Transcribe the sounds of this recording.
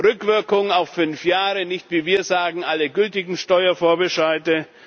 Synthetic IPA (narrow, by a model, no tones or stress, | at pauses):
ʁʏkv̥ɪɐkʊŋaʊfːʏnfjaːʁənɪçtv̥iːviːɐzaːɡŋ̩ʔaləɡʏltɪɡŋ̩ʃtɔʏɐfoːɐbəʃaɪtə